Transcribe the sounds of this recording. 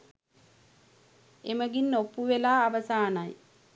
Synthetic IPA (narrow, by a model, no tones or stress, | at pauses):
eməɡinːopːuʋelaːʋəsaːnaj